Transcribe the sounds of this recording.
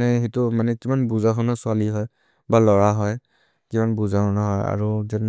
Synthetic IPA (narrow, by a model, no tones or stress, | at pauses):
nɛxetʊmanɛkimanbuzaxɔnɔsʊaliɦɔj | balɔɹaɦɔj | kimanbuzakɔnɔɦɔja̰ɹuzan